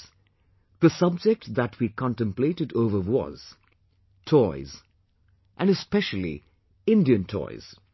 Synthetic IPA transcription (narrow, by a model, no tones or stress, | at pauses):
ð̥əsʌb̚d͡ʒɛk̚ʈðætʰwikʰɑ̃ntə̃mpletɨdoʊvəwɔ̰z̥ | tʰɔɪz | ʔæ̃nɨspɛʃəl̩ˠḭ | ɪ̃ndiɨ̃ntʰɔ̰ɪz̥